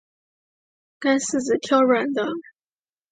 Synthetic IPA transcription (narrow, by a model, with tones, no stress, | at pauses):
ka˥ns̩˥˩t͡sɹ̩˨˩t̪ʰjɑ˥ʊɻa˨˩nd̪ə˦